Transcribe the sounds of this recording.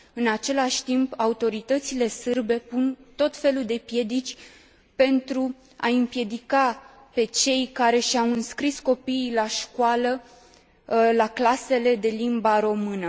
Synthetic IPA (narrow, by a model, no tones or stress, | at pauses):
ɨnat͡ʃe̞laʃʲt̪impaut̪o̞ɾit̪ət̪sile̞sɨrbe̞punt̪o̞t̪fe̞luld̪e̞pje̞d̪it͡ʃʲ | pe̞nt̪ɾu | a̰ɨmpje̞d̪ika | pe̞t͡ʃe̞jkaɾe̞ʃawɨnskɾisko̞piːlaʃkualə | laklase̞le̞d̪e̞limbaɾo̞mɨnə